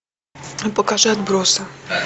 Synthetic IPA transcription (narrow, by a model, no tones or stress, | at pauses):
pɔkaʒɛɐd̪bɾɔsɐ